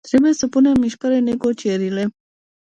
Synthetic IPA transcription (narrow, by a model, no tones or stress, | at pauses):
t̪ɾibesəpunemiʃkaɾeneɡot͡ʃeɾile